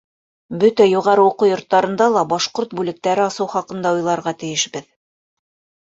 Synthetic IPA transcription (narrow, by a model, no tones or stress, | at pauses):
bɵt̪æjuʁɑɾɤuqujŏɾt̪ːɑɾɤ̆nd̪ɑlˠɑbɑʃqoɾt̪̚bʉlɘ̆k̚t̪æɾɘɑsɤwχɑqɤ̆nd̪ɑujlˠɑɾʁɑt̪ɘ̆jɘ̆ʃbɘð